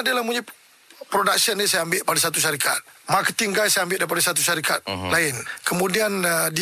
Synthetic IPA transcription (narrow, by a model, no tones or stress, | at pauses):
adəlamuɲa | pɾodak̚sənisajaambɪʔpadasat̪̬uʃ̬aɾikʰa̰t̪̚makət̪iŋɡajsajambɪlʔdajpadasat̪uʃaɾikʰat̪̚laɪnkəmũdiandi